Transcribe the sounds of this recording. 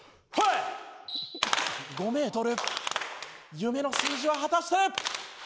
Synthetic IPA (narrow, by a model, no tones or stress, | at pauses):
he | ɡo̞me̞ːt̪o̞ɾɯ̟ | jɯ̟me̞no̞sɨːʑiβaɦat̪aɕi̥t̪e